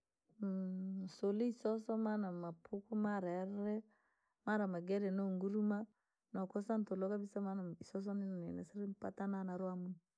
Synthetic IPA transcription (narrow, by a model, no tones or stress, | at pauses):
soliisɔsɔmanamapʰukumaɾaɾɛ | maɾamaɡɛɾɛnoŋɡuɾuma | nɔkɔsantɔlɔkabisamanaisɔs̬ɔninɔnɛ̰nɛ̰sɛɾimpatananaɾoamun